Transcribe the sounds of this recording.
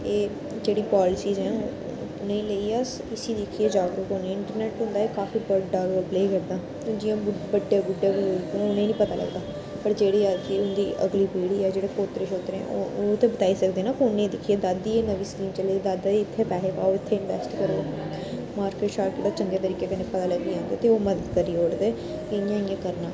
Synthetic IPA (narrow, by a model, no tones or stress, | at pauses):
eː | d͡ʒeːɽiːpaːlɪsiːzɦɛ̃ː | nẽĩːleiːas | ɪsiːd̪ɪkʰiːeːd͡ʒaːɡɾokɦoːneɛ̃ːɪɳʈəɾnɛːʈɦʊ̃nd̪aːeːkaːfiːbəɖɖaːɡoːpleːkəɾd̪aː | t̪od͡ʒɪjãːbəɖːejaːbʊɖjeːbiʊnẽːnĩːpət̪aːlə̰ɡd̪aː | pəɾd͡ʒeːɽiːad͡ʒiːʊnd̪iːʔə̰ɡliːpiːɽiːɛːd͡ʒeːɽeːkoːt̪ɾeʃoːt̪ɾẽɛ̰̃t̪eːbət̪aːiːsəkd̪eːnaːpʊnẽːd̪ɪkʰːieːd̪ad̪ːiːeːnəʋiːskiːmt͡ʃəleːeːd̪ad̪aːiɪt̪ʰːeːpɛːɦeːkaːoːɪt̪ʰːeːɪnʋɛ̰sʈkəɾoː | maːɾkeːʈʃaːɾkeːʈd̪aːt͡ʃəŋɡeːt̪əɾiːkeːkənẽpət̪aːləɡd̪iːãːnd̪eːt̪eoːməd̪əd̪kəɾiːoːɽd̪eː | kejãːɪjãːkəɾnaː